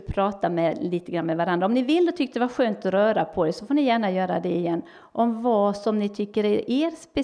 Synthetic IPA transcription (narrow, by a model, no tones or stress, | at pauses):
pʰɾɑːt̪amɛliːt̪əɡɾanːmɛvaɾand̪ɾaɔmnɪvɪlːd̪ɔt̪ʏk̚ːt̪əd̪ɛvaɾɧøːnt̪ɔɾœːɾapʰɔd̪ɛsɔfoːnɪjæːɳajœːɾa̰d̪ɛɪjɛnː | ʔɔmvɑsɔmnɪt̪ʰʏkːəɾɾeːɾspɛ